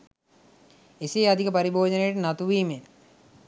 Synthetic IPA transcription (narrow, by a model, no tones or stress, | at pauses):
eseːad̪ʱikəpaɾibʱoːd͡ʒənejʈənat̪uʋiːme